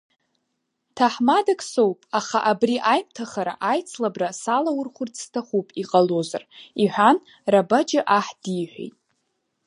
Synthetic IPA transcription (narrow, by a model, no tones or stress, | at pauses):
tʰaħmadakʼsowpʼaχaʔabriʔajmtʰaχaɾa̰ʔajt͡sʰlabrasalawʊrχʷʊrt͡sʰstʰaχupʼiqʼalo̞za̰riħʷᶣan | rabad͡ʒɪʔaħd̥ijħʷᶣḛjtʼ